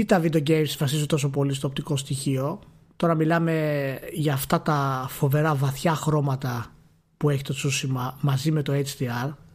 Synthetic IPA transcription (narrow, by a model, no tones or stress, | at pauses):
it̪ɐvid̪oɟejmsvɐsisut̪o̞so̞p̬o̞list̪oːpt̪iko̞st̪içio̞ | t̪o̞ɾɐmilɐme̞ʝɐːft̪ɐt̪ɐfo̞ve̞ɾɐvɐθçɐxɾo̞mɐt̪ɐ | pueçi̥t̪o̞t͡susimɐmɐzime̞t̪o̞et͡st̪iɐɾ